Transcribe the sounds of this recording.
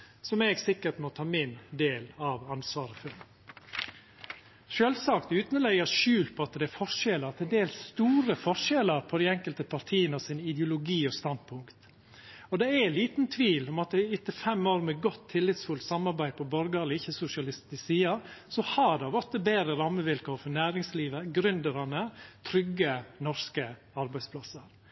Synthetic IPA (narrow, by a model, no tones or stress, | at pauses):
sɔmɛɡsɪkːəʈmɔt̪ʰɑːmɪnd̪eːlɑʋɑnsʋɑːɾəfʉl | ʃøːlsɑkt̪ʉːt̪nlɛɪɡəʂʉːlpʰɔɑt̪d̪ɛæfɔʂɛləɑt̪ʰɛd̪eːlst̪uːɾəfɔʂɛləɾpʰɔd̪æɛŋkəlt̪əpʰɑɾt̪ʰiːənəɔsɪnɪd̪jʊlʊɡiːɔst̪ɑn̚pʰʊŋkt̪ | ɔd̪ɛæliːt̪nt̪ʰʋiːlɔmɑt̪̚ɛɪt̪ːəfɛmoːɾmɛɡɔt̪ʰːɪlːɪt̪sfʉlt̪sɑmɑɾbæɪd̪̚pʰɔbɔɾɡɑɛlɔɪçːəsʊʂɪɑlɪst̪ɪsiːɑsɔhɑd̪ɑʋɔt̪ːəbeːɾəɾɑmːəʋɪlkoːɾfɔɾnæːɾɪŋsliːʋəɡɾʏnd̪əɾɑnət̪ʰɾʏɡːənɔɾskə | ɑɾbæɪspʰlɑsəɾ